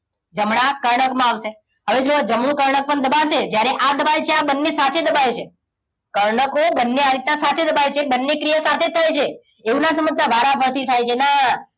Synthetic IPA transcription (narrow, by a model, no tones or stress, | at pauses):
d͡ʒəmɳakəɾɳəkmãaʋse | ɦəʋed͡ʒood͡ʒəmɳ̃ũkəɾɳək̚pəɳd̪əbaʃed͡ʒjaɾeʔad̪əbajt͡ʃʰeabənːesat̪ʰed̪əbajet͡ʃʰe | kəɾɳəkobənːeaɾit̪̚nasat̪ʰed̪əbaet͡ʃʰebənːekɾijasat̪ʰet̪ʰːajt͡ʃʰe | eũnas̬əmət̪abʱaɾabʱəɾt̪ʰit̪ʰajt͡ʃʰena